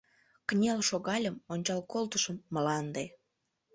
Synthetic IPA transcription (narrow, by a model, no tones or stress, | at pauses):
knʲelʃoɣɑlʲəmonʲt͡ɕɑlkolt̪əʃəmːəlɑnd̪e